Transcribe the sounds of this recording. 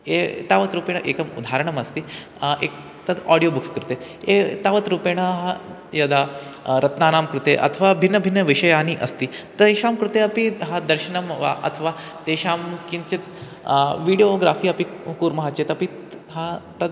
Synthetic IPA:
et̪aʋət̪ɾuːpeɳaʔeːkɐmṵd̪ʱaɾəɳɐmɐst̪iː | ḛk | t̪ɐd̪ɔɽijobukskɾut̪eet̪aʋət̪ɾupeɽ̃aɦa | jɐd̪aɾɐt̪naːnaːmkɾut̪eʔɐ̰t̪ʰəʋabʱinːəbʱinːjɐʋiʂɐjaːniʔɐ̰st̪iːt̪ɐʃaːmkɾut̪eɐpiɦad̪ɐɾʃɐnɐmʋa̰ʔɐ̰t̪ʰʋat̪eʃaːmkint͡ɕit̪ | ʋiɽijoɡɾaːfiːɐpikuːɾmɐɦaːt͡ɕet̪ɐpi | ɦat̪ɐd̪

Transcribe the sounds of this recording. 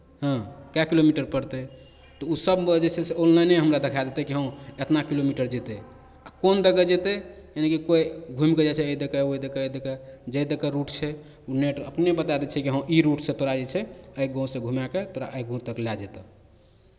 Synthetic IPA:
ɦə̃kakilomiʈəɾpəɾt̪ɛ | t̪ɔusəbd͡ʒeseseollajneɦəmɾad̪ekʰad̪et̪ekiɦə̃et̪nakilomiʈəɾd͡ʒet̪ɛ | akond̪əɡəd͡ʒet̪ɛenikikoiɡʱumked͡ʒat͡ʃʰɛəid̪ekəod̪ekəəd̪ekəd͡ʒəd̪ekəɾuʈt͡ʃʰɛ | uneʈə̰pnebət̪ad̪et͡ʃʰɛkiɦə̃ʔiɾuʈsẽt̪oɾad͡ʒɛt͡ʃʰɛəjɡɔ̃sẽɡʱumaket̪oɾa̰ʔəjɡʱũmt̪əklad͡ʒet̪e

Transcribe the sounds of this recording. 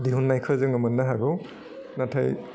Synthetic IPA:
diɦunːajkʰɯzɯŋɯmanːaɦaɡɔw | natʰaj

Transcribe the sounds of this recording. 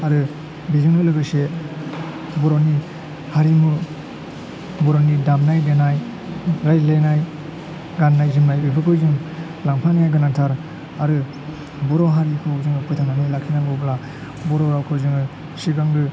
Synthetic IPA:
aɾɯ | bizɯŋnɯlɯɡɯse | bɔɾɔni | haɾimu | bɔɾonidamnajdenaj | ɾajlenaj | ɡanːajziŋnajbibʰɯkʰɯjzɯŋ | laŋpʰanijajɡanatʰaɾ | aɾɯ | bɔɾɔɦaɾikʰɯzɯŋɯpʰɔjtʰanamilakʰinaŋɡɯbla | bɔɾɔɾawkʰɯzɯŋɯ | siɡaŋdɯ

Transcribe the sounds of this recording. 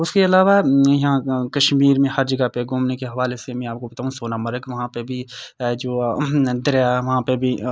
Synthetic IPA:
ʊskeɐlaːʋajɐɦãkɐʃmiːɾmẽhɐɾd͡ʒɐɡapeɡʊmnekeɦɐʋaːlesemɛ̃aːp̚kobɐt̪aːɦũsoːnamɐɾəkʋɐɦãpebʱid͡ʒoːd̪ɪɾjaʋɐɦãpebʱi

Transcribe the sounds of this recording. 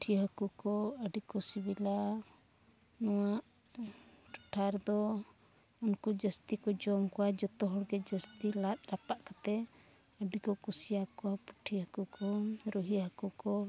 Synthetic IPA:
pʈʰiɦakukɔəɖikɔsibila | nɔwaʔ | ʈu̥ʈʰaɾd̪ɔ | unkud͡ʒəst̪ikɔd͡ʒɔmkɔwad͡ʒɔt̪ɔɦɔɽɡɛd͡ʒəst̪ilat̪̚ɾapaʔkat̪ɛ | əɖikɔkusijakɔwapu̥ʈʰihəkukɔɾuɦiɦakukɔ

